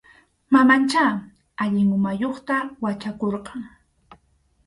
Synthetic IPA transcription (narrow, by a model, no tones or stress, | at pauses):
mamant͡ʃaː | aʎɪŋʊmajoχt̪awat͡ʃakoɾqɑŋ